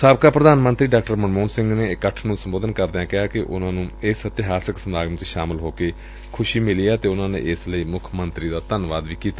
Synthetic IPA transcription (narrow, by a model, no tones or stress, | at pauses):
saːb̚kaːpɾəd̪aːnmənt̪ɾiːɖaːkʈəɾməɳmoːnsɪ̃ŋɡneːɪkːəʈʰnũːsəmboːd̪ənkəɾd̪eãːkɪaːkɪʔʊ̰nãːnũːɪsət̪ɪɦaːsɪksəmaːɡəmt͡ʃʃaːmɪlɦoːkeː | kʰʊʃiːmɪliːaːt̪eːʊnãːnḛːʔɪsləiːmʊkʰmənt̪ɾiːd̪aːt̪ənʋaːd̪ʋiːkiːt̪aː